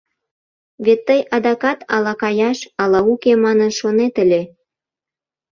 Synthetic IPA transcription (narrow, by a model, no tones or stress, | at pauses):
βet̪ːəjʔɑd̪ɑkɑt̪ɑlɑkɑjɑʃɑlɑukemɑnənʃonet̪əlʲe